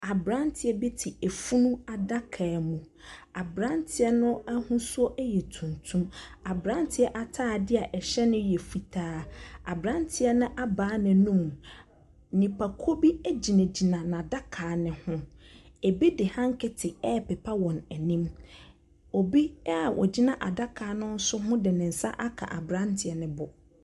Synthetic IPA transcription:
a˨bɾã˦ntʰɪ˨ɛ˦bi˦tʰɪ˨e˨fu˦nũ˦a˨da˦kʰa˨mũ˨ | a˨bɾã˦ntʰɪ˨ɛ˦nʊ̃˦a˦hʊ̃˦sʊ˦ɔ˦ʔɛ˦jɛ˨tʰũ˨ntʰũ˦ma˨bɾã˦ntʰɪ˨˦ɛ˦ʔa˨tʰaː˦˨dɪ˦a˨ʔɛ˨ɕɛ˦nʊ̃˦jɛ˨fi˨tʰaː˦a̰˨bɾã˦ntʰɪ˨ɛ˦nʊ̃˦ʔa˦baː˨˦nɪ̃˨nũ˦˨m˨ | nĩ˨pʰa˨kʰo˦bi˦e˦d͡ʑi˨nẽ˨d͡ʑi˨nã˨nã˨da˦kʰaː˨nɪ̃˦hʊ̃˦ | e˨bi˦dɪ˨hã˦ŋ˦kʰɛ˦tʰɪ˨ɛ˦pɛ˨pʰa˦wɔ̃˨nɛ˨nĩ˦m | o˨bi˦˨wʔɔ̰˨d͡ʑi˦nã˨ʔa˨da˦kʰaː˨˦nʊ̃˦n̩˦sʊ˦ɦʊ̃˦dɪ˨nɪ̃˨n̩˨sa̰˦ʔa˦kʰa̰˨ʔa̰˨bɾã˦ntʰɪ˨ɛ˨nɪ̃˦bɔ˨

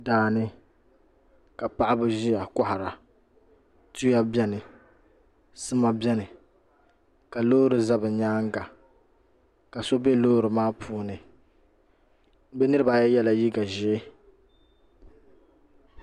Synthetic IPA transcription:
daː˨nɨ˦ | ka˨pa˦ʔa˦bɨ˦ʒi˦ja˨kɔ˦ha˨ɾa˨ | tu˦ja˦bjɛ˦nɨ˨ | sɨ˦ma˦bʲɛ˦nɨ˨ | ka˨loː˦ɾɨ˨za˦bɨ˨ɲaː˦ŋ˦ɡa˨ | ka˨so˦be˦loː˦ɾɨ˨maː˦pʰuː˨˦nɨ˨ | bɛ˦nɨ˦ɾɨ˦ba˨jɛ˦jɛ˦la˨ji˦ɡa˨ʒɪ˨˦

